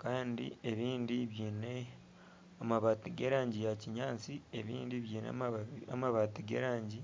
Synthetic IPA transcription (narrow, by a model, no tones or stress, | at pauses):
kaːndḭe̞βiːndiβjiːne̞ | amaβatiɡeɾaːɲɟijaciɲaːt͡sieβḭːndiβjiːnḛamaβatiɡḛɾaːɲɟi